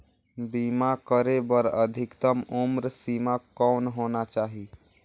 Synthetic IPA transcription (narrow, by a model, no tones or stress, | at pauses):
bimakəɾebəɾəd̪ʱɪkt̪əmumɾsimakɔnɦonat͡ʃaːɦi